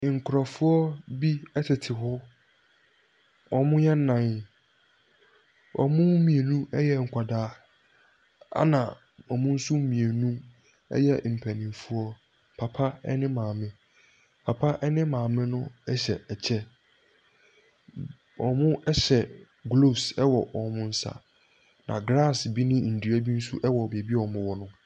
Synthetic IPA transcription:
ŋ̩˨kʰʊ˨ɾɔ˨fʊ˦ɔ˦bi˦ɛ˦tʰɪ˨tʰɪ˨ɦʊ˦ | ɔ˨mʊ̃˦jɛ˦n̩˦nã˨n | ɔ̰˨mʊ̃˦mĩ˨e˨nũ˦ɛ˦jɛ˦ŋ̩˨kʷʰa˨daː˨˦ | a̰˦nã˨ | ɔ˨mʊ̃˦n̩˦su˦mĩ˨e˨nṵ̃˦ | jɛ˦m̩˨pʰæ˨nɪ̃˨fu˦ɔ˦ | pʰa˨pʰa˦ɛ˦nɪ̃˦mãː˨mɪ̃˦ | pʰa˨pʰa˦ʔɛ˦nɪ̃˦mãː˨mɪ̃˦nʊ̃˦ɛ˦ɕɛ˨ɛ˨t͡ɕʰɛ˦ | ɔ˨mʊ̃˦ʔɛ˦ɕɛ˨ | ɡlo˦˨sɛ˦wɔ˨ɔ˨mʊ̃˦n̩˦sa̰˨ | nã̰˨ɡɾa˦˨sbi˦nɪ̃˦n̩˨du˨æ˦bi˦n̩˦sṵ˦ʔɛ˦wɔ˨be˨bi˦ɔ˨mʊ̃˦wɔ˦nʊ̃˦

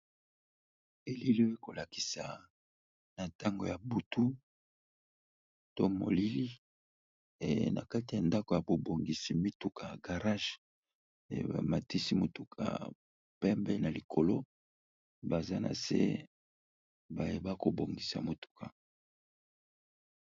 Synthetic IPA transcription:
e˨li˦li˦we˦ko˨la˨ki̥˨sa˨ | na˨ta˦ŋɡo̰˨ja˨bu˨tu˦ | to˦mo̰˨li˦li˦˨ | na̰˨ka˦ti˨ja˨nda˦ko˨ja˨bo˨bo˨ŋɡi˨si˨mi˦tu˨kʰa˨ɡa˨ʁa˦ʒ̰ | ma˨ti˦si˦mo˨tu˨kʰa̰˨ | pɛ˦mbɛ˦na˨li˨kʰo˨lo˦ | ba˨za˦nʔa̰˨sḛ˦ | ba˨je˦ba˦ko˨bo˨ŋɡi˨sa̰˨mo˨tu̥˨kʰa˨

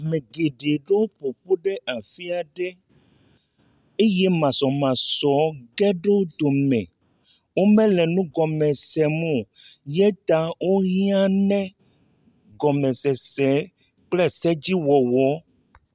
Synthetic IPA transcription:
mẽ˨ɡe˨ɖe˨ɖe˦wo˦po˨po˦ɖe˦ʔa˨fi˦a˨ɖe˦ | e˦jɛ˦mã˨sɔ˨mã˨sɔ˨˦ɡɛ˦ɖe˦d̪o˨mɛ̃˨ | wo˦mɛ̃˦lɛ˨nũ˦ɡɔ˨mɛ̃˨sɛ˨mũ˦ | jɛ˦t̪a˨˦wʔo˦ɦĩ˦ã˦nɛ̃˦ | ɡɔ˨mɛ̃˨sɛ˨sɛ˨˦ | k͡plɛ˦sɛ˦d͡ʑi˦wɔ˨wɔ˨˦

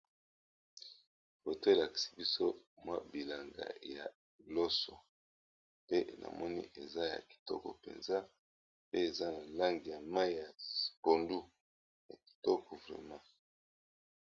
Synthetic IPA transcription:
bo˨to˦e˨la˨ki̥˨si̥˦bi˦so˦mwa˦bi˨la˨ŋɡa̰˨ja˨ | lo˦sɔ˨ | pe˦na̰˨mɔ˦nḭ˦ʔe˨za˦ja̰˨ki̥˨tɔ˦kɔ̰˨pḛ˨nza˦ | pe˦e˨za˦na˨la˦ŋɡi˨ja˨ma˦˨ja˨spo˨ndu˦ | ja̰˨ki̥˨tɔ˦kʰɔ˨vʁɛ̰˨mã˦

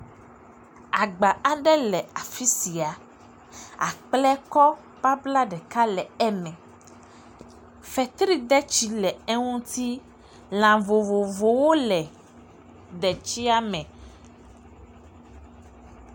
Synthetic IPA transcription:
a˨ɡ͡ba˨a˦ɖɛ˦lɛ˨a˨fi˦si˨a˨ | a̰˨k͡plɛ˦kɔ˦ | b̥a˦bla˦ɖɛ˨ka˦lɛ˨ɛ˦mɛ̃˨ | fɛ˨t̪ɾi˦d̪ɛ˦t͡ʃi˦lɛ˨ɛ˦ŋũ˦t̪i˦ | l̃ã˨vo˨vo˨vo˨wo˦lɛ˨ | ɖ̪ɛ˨t͡ʃi˦a˦mɛ̃˨

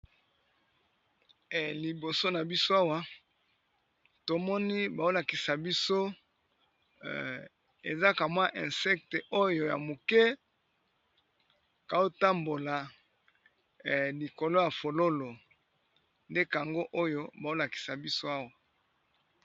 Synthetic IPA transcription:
li˨bo˨so˦na˨bi˦so˦a˦wa˦ | to˨mɔ˦ni˦ba˨o˦la˨ki˨sa˨bi˦so˦ | ḛ˨za˦ka˨mwa˦ʔɛ̃˨nsɛ˦k̚te˨ʔo˦jo˨ja̰˨mo˨kɛ˦ | ka˨o˦ta˦mbo˨la˨ | li˨ko˨lo˦ja˨fo˨lo˦lo˨ | nde˦ka˨a˨ŋɡo˦ʔo˦jo˦ba˨o˦la˨ki̥˨sa˨bi˦so˦a˦wa˨

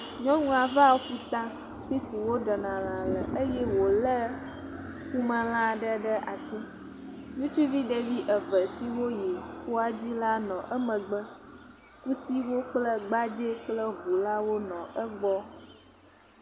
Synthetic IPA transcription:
ɲɔ̃˦ŋũ˦a˨va˦wo˦ɸu˦t̪ã˦ | ɸi˦si˨wo˦ɖɛ˨nã˨lã˨lə˨ʔə˦jɛ˦wo˨lə˦ | ku˦mə̃˦l̃ã˦ɖə˦ɖə˦ʔa˨si˦ | nũ˦t͡ʃu˦vi˦ɖə˨vi˦ʔə˨və˨si˦wo˦jɛ˨xo˦a˨d͡ʑi˦la˦nɔ̃˨ʔə˦mə̃˨ɡ͡bə˦ | ku˦si˦wo˦k͡plə˦ɡ͡ba˦d͡ʒe˦k͡plə˦ɦu˨la˦wo˦nɔ̃˨ʔə˦ɡ͡bɔ˦

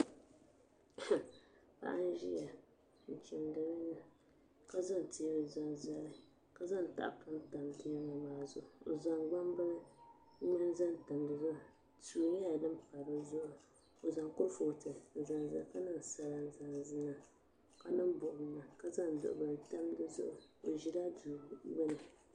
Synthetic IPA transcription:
pa̰˦ʔa̰˦n˦ʒi˦a˨ | n̩˨t͡ʃɪ˨ndɨ˨ɾɨ˦nɨ˦ | ka˦za˦n˨tʰi˦ɾɨ˨za˨za˨lɨ˨ | ka˦za˦˨n˨ta̰˨ʔpɨ˦n˦ta˨mdi˦a˦ma˨maː˨˦zʊ˦ʔʊ˨o˨za˨ŋɡ͡ba˦m˦bɨ˦ɾ | ɲa˦n˦za˦n˦ta˨mdɨ˨za˦˨ | tuː˨ɲɛ˦a˨dɨ˦m̩˦pa˨ɾo˦zʊ˦ʔʊ˨ | o˨za˨ŋko˦fo˨tɨ˨n̩˨za˨n˨za̰˨˦ka˦nɨ˦n˨sa˦la˨n˨za˨nzɨ˦na˨ | ka˨˦nɨ˦m˦bʊ˨ʔʊ˨m˦na˨ka˦za˦n˨dʊ̰˨ʔʊ˨ba˨ta˦m˦dɨ˦zʊ̰˦ʔʊ˨o˨ʒi˦la˦du˨ɡ͡bɛ˦nɨ˨

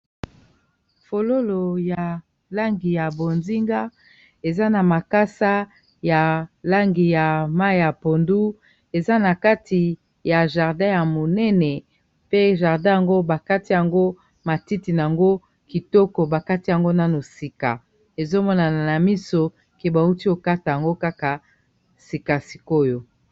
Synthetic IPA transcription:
fo˨lo˦lo˨ja˨ | la˦ŋɡi˨ja˨bo˨nzi˦ŋɡa˦ | e˨za˦na˨ma˨ka˦sa˦ | ja˨la˦ŋɡi˨ja˨ma˦i˨ja˨po˨ndu˦ | e˨za˦na˨ka˦tʰi˨ | ja˨ʒa˨ʁdã˦ja˨mo˨nɛ˦nɛ˨ | pe˦ʒa˨ʁdã˦ja˨ŋɡo˦ba˨ka˦ti˦ja˨ŋɡo˦ | ma˨ti˦ti˨n˨a˨ŋɡo˦ | ki˨tɔ˦kɔ˨ba˨ka˦ti˦ja˨ŋɡo˦na˦no˨si˨ka˨ | e˨zo˦mɔ˦na˨n˨na˨mi˦so˦ | ke˨ba˨u˦ti˦o˨ka˦ta˨ja˨ŋɡo˦ka˦ka˨ | si˨ka˨si̥˨ko˦jo˨

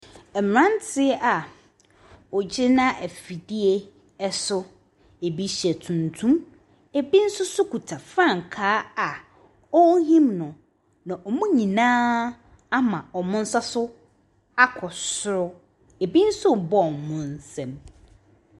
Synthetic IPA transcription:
ɛ˨m˨ɾã˦n˦tʰɪ˦ɛ˦ʔa˨ | ɔ˨d͡ʑɪ˦nã˦ʔæ˨fi˨di˦e˦ | ɛ˦sʊ˦ | e˨bi˦ɕi˨ɛ˨tʰũ˨ntʰũ˦m | e˨bi˦n̩˦sʊ˦sʊ˦ku˨tʰa˨fɾã˦˨ŋ˨kʰaː˨˦a˨ | ɔ˦ɦĩ˦mnʊ̃˨ | nã˨ʔɔ˨mũ˦ɲĩ˨nãː˦ | a˦mã˨ɔ˨mʊ̃˦n̩˦sa˦sʊ˦ | a˦kʰɔ˨sʊ˦ɾʊ˦ | e˨bi˦n̩˦sʊ˦˨bɔ˦˨mʊ̃˦n˦sɛ̃˨m

